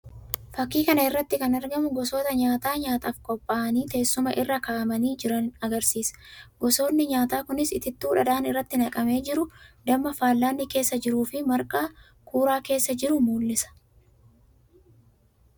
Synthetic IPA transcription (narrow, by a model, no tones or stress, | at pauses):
fɐkːiːkɐnɐɪrːɐt̪ːɪkɐnɐɾɡɐmʊɡɔso̞ːt̪ɐɲaːt̪aːɲaːt̪ɐfkʼɔpʼːaːʔɐniːt̪e̞ːsːʊmɐʔɪrːɐkaːʔɐmɐniːd͡ʒɪɾɐnɐɡɐɾsiːsɐ̥ɡɔso̞ːnːɪɲaːt̪aːkʊnɪsɪt̪ɪt̪ːɪʊᶑɐd̪aːnɪrːɐt̪ːɪnɐkʼɐme̞ːd͡ʒɪɾʊd̪ɐmːɐfaːlːaːnːɪke̞ːsːɐd͡ʒɪɾuːfɪmɐɾkʼaː | kuːɾaːke̞ːsːɐd͡ʒɪɾʊmuːlːɪsɐ̥